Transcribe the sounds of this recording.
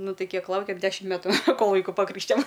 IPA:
ˈnʊ ˈtɐɪ ˈkʲiɛk ˈlˠɐʊkʲeːm ˈdʲæːʃʲɪm ˈmʲæːtʊ ˈkoːlˠ ˈʋɐɪkʊ pɐˈkrʲiːkʃʲtʲɪjoːm

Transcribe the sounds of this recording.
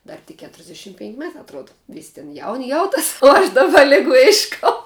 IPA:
ˈdɐr tʲɪk ˈkʲæːtʲrʲzʲdʲɛˌʃʲɪm pʲɛŋʲkʲ ˈmʲæːtɑː ɐtˈruɔdɐ ˈʋʲiːsʲ tʲɪn jɛʊnʲ ˈjɛʊˌtɐs ʊ ˈɐʃ ˈdɑːbɐ ˈlʲɪɡʊ ˈɪʃkɐʊ

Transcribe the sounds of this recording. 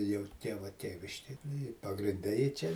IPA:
jɛʊ ˈtʲiɛʋɐ ˈtʲiɛʋʲɪʃʲkʲeːj ˈnʊ ɪ pɐɡrʲɪnʲˈdʲɛ jɪ ˈt͡ʃʲɛ

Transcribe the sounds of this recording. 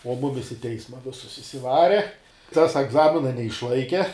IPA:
oː ˈmʊmʲɪs ɪ ˈtʲɛɪsmɐ ˈʋʲɪsʊs ɪʃʲsʲɪˈʋɑːrʲɛ ˈtɐs ɛɡˈzɑːmʲɪnɐ nʲɛɪʃˈlˠɐɪkʲɛ

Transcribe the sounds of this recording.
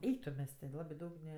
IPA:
ˈɛɪk tʊ ˈmʲɛs tʲɪ ˈlˠɑːbʲɪ ˈdɐʊk nʲɛ

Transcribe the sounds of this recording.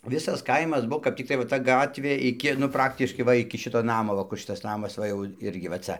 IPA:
ˈʋʲɪsɐs ˈkɐɪmɐs ˈbʊʋoː kɐp tʲɪkˈtɐɪ ʋɐ ˈtɐ ˈɡɑːtʲʋʲeː ɪˈkʲɪ nʊ ˈprɑːktʲɪʃkɐɪ ˈʋɐ ɪkʲɪ ˈʃʲɪtoː ˈnɑːmoː ʋɐ ˈkʊr ˈʃʲɪtɐs ˈnɑːmɐs ˈʋɐ jɛʊ ˈɪrʲɡʲɪ ʋɐ ˈt͡sɐ

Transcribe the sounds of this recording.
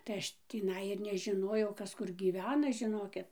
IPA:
tɐɪ ˈɐʃ tʲiːˈnɐɪ ɪr nʲɛʒʲɪˈnoːjɛʊ ˈkɐs ˈkʊr ɡʲiːˈʋʲæːnɐ ʒʲɪˈnoːkʲɪt

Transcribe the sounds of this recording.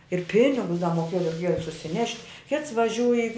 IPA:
ɪr ˈpʲɪnʲɪɡʊs dɐ moːˈkʲeːjoː rʲɛɪˈkʲeːjoː sʊsʲɪˈnʲɛʃʲtʲ kʲɪts ʋɐˈʒʲuːj ɪ

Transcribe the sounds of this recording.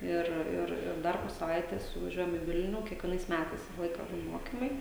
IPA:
ˈɪr ˈɪr ɪr ˈdɐr poː sɐˈʋɐɪtʲeːs ʋɐˈʒʲuɔjɛm ɪ ˈʋʲɪlʲnʲuː kʲiɛkʋʲiɛˈnɐɪs ˈmʲætɐɪs ˈʋʲɪsɐ ˈlˠɐɪkɐ ˈbuːn ˈmoːkʲɪmɐɪ

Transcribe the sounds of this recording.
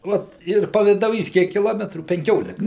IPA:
ˈʋɐt ɪr pɐʋʲɪdɐʊˈjiːs ˈkʲiɛk kʲɪˈlˠoːmʲɛtruː pʲɛŋʲˈkʲoːlʲɪkɐ

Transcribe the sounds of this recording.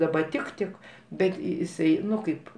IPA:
dɐˈbɐ ˈtʲɪk ˈtʲɪk ˈbʲɛt jɪˈsɐɪ ˈnʊ ˈkɐɪp

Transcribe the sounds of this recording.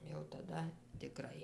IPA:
jɛʊ tɐˈdɐ tʲɪˈkrɐɪ

